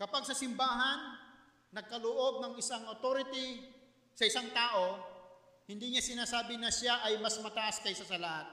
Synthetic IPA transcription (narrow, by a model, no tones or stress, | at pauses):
kɐpaɡ̚sɐsɪmbaːɦɐnː | ɐɡ̚kɐlʊʔo̞ɡ̚nɐŋɪsaŋot̪oːɾɪt̪i | sɐɪsaŋt̪aːʔo̞ | hɪnd̪iɲasɪnaːsaːbɪnɐʃaʔɐjmɐsmɐt̪ɐʔaskɐjsɐsɐlɐhat̪̚